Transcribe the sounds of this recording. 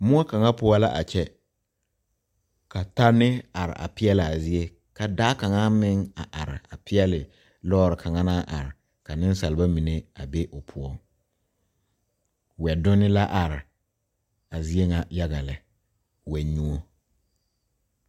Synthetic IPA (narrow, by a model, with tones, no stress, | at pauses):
mʊ˦a˦ka˨ŋa˦pʊ˦ɔ˦la̰˦ʔa̰˨t͡ʃɛ˦ | ka˨ta˦nɪ˦a˨ɾɪ̰˨ʔa̰˨pɪ˦ɛ˦lɪ˨a˨zɪ˦e˦ | ka˨daː˦ka˨ŋa˦mɪ˦ŋa˨ʔa˨ɾɪ̰˨a˨pɪ˦ɛ˦lɪ˨ | lɔː˦ɾɪ˨kʰa˨ŋa˦naː˦ʔa˨ɾɪ˨ | ka˨nɪ˦n˦sa˨lɪ˨ba˦mi˨ne˦a˨be˦ʔʊ˨pʰʊ˦ɔ˦ | wɛ˨dʊ˦nɪ˦la˦ʔa˨ɾɪ˨ | a˨zi˦e˦ŋa˨ja˦ɣa˨lɪ˨ | wɛ˨˦ɲu˦o˦